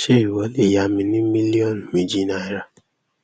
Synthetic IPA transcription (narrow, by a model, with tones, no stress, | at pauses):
ʃi˦ɾi˨wɔ˨˦li˦˨ja˨mi˨ni˦mi˦li˦ɔ˦˨n˨mi˨d͡ʒi˦na˨˦jɾa˨